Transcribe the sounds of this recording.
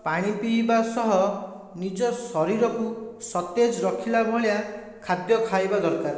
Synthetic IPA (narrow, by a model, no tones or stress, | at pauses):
paɽ̃ipibasɔɦɔ | nid͡ʒɔsɔɾiɾɔkusɔt̪ed͡ʒɔɾɔkʰilabʱɔɭija | kʰad̪jɔkʰajbad̪ɔɾkaɾ